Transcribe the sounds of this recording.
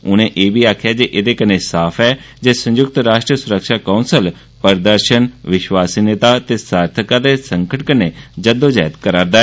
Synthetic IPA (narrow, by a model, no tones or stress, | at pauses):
ʊnẽʔeːbʱiːaːkʰjaːd͡ʒeʔɪd̪eːkəneːsaːpʰɛː | d͡ʒeːsə̃ɲd͡ʒʊk̚t̪ɾaːʃʈɾəsʊɾəkʃaːkãunsəl | pəɾd̪əɾʃənʋɪʃwaːsineːt̪aːt̪eːsaːɾt̪ʰəkãd̪eːsə̃ŋkʰəʈkəneːd͡ʒəd̪oːd͡ʒaːt̪kəɾaːɾd̪aːɛː